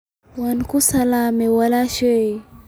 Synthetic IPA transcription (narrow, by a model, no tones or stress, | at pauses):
wankusalamɛwalaʃe